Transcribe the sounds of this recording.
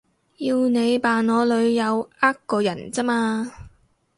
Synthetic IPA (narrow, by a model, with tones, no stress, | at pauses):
jiː˧wne˨˧jpaː˨nɔː˨˧lɵ˨˧ɥjɐ˨˧waː˥kkːɔː˧jɐ˨˩nt͡sɐ˥maː˧